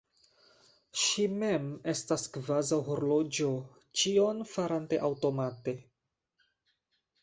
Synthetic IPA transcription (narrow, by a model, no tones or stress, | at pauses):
ʃime̞me̞staskvazawɦo̞ɾlo̞d͡ʒo̞ | t͡ʃio̞nfaɾante̞̰ʔawto̞mate̞